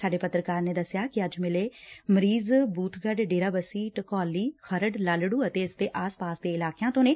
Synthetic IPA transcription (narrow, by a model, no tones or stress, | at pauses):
saːɖeːpət̪ɾəkaːɾneːd̪əsɪjaːkɪəd͡ʒmɪleːməɾiːzbuːt̪ʰɡəɖɖeːɾaːbəsiːʈəkɔːliːxəɾəɖlaːlɽuːət̪eːɪsd̪eːʔaːspaːsd̪eːɪlaːkjãːt̪õːneː